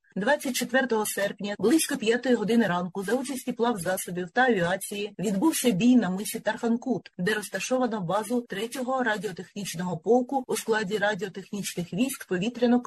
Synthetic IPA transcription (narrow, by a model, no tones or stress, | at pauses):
d̪ʋɑt͡sʲːɐt̚ʲt͡ʃet̪ʋɛrt̪ɔɦɔsɛrpnʲɐblˠɪsʲkɔpʲjat̪ɔjiɦɔd̪ɪnɪɾɑnkʊzɐut͡ʃɐsʲtʲiplˠɑwzɑsɔbʲiwt̪ɐːʋʲiɑt͡sʲijɪʋʲid̪buwsʲɐbʲijnɐmɪsʲit̪ɐrfɐnkut̪d̪ɛɾɔst̪ɐʃɔʋɐnɔbɑzʊt̪ɾɛtʲɔɦɔɾɐdʲɪɔt̪e̞xnʲit͡ʃnɔɦɔpɔlˠkʊːsklˠɑdʲiɾɐdʲɪɔt̪exnʲit͡ʃnɪxʋʲisʲk̪pɔʋʲit̪ɾʲɪnɔk